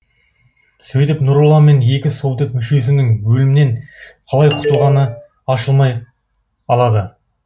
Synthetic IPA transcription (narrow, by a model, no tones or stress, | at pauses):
sɵjt̪ɪpnʊɾulˠɑme̞ne̞kʲɪsowd̪əkmʏʃe̞s̬ɪnɪŋbɵlɪmɪne̞ɴqʰɑlˠɑjqʰʊ̥t̪əlˠʁɑnə | ɑʃəlˠmɑj | ɑlˠɑd̪ə